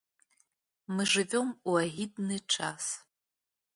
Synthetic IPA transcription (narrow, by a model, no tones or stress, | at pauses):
mɨʐɨvʲomwaʁidnɨʈ͡ʂʰas